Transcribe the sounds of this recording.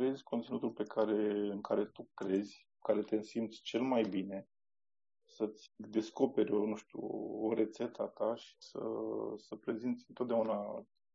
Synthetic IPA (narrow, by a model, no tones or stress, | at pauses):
kɾe̞zʲkʰo̞nt̪sinut̪ulpe̞kʰaɾe̞ɨŋkʰaɾe̞t̪ukɾe̞zʲku̥kaɾe̞t̪eɨnsimt̪sʲt͡ʃe̞lmajbine̞ | sət̪sʲd̪e̞sko̞pe̞ɾʲo̞nuʃt̪ʲuoɾe̞t̪se̞t̪ʰat̪aʃi̥sə̰səpɾe̞zint̪sʲɨnt̪ot̪d̪eauna